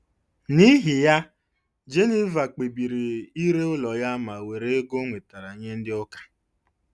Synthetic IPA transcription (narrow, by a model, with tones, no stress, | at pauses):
ni˦ɦɪ˨ja˦ | d͡ʒe˦ni˦va˨k͡pe˨bi˨ɾi˨i˦ɾe˦ʊ˦lɔ˨ja˦ma˨we˨ɾe˦ɡʊ˦ŋʷe˨ta˨ɾa˨ɲe˦n̩˦dɪ˦ɔ˦kḁ˨